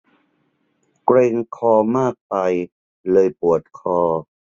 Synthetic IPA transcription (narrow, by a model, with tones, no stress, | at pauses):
kleː˧ŋkʰɔː˧maː˥˩k̚pa˧j | lɤː˧jpu˨˩ət̪̚kʰɔː˧